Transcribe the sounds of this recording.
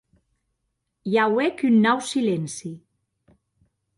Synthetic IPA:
jawekynːɔwsilensi

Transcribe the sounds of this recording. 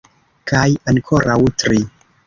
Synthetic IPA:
kajaŋkʰoɾʔawtɾi

